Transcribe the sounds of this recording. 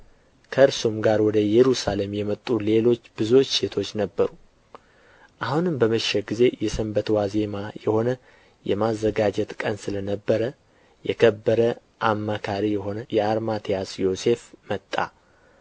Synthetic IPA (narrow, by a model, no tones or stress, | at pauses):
kʰəɨɾsumɡaɾwɔd̪əjɛɾusale̞mjɛmət̪ʼːule̞lo̞t͡ʃːbɨzwo̞t͡ʃːse̞t̪ʰo̞t͡ʃːnəbːəɾu | ʔahunɨmbəməʃːɛɡize̞jɛsəmbət̪waze̞majɛho̞nə | jɛmazːəɡad͡ʒɛt̪kʼənsɨlənəbːəɾə | jɛkʰəbːəɾə | ʔamːakʰaɾijɛɦo̞nəjɛaɾmat̪ʰijasjo̞se̞fmət̪ʼːa̰